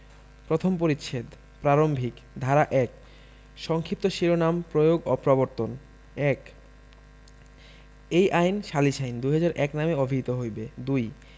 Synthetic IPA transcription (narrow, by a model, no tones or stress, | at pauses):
pɾot̪ʰompoɾit̪ːʃʰed̪ | pɾaɾombʱik | d̪ʱaɾaʔɛk | ʃɔŋkʰip̚t̪oʃiɾonampɾojoɡɔpɾɔboɾt̪on | ɛk | ejʔajnʃaliʃajnd̪ujɦad͡ʑaɾʔɛknameobʱiit̪oɦojbed̪uj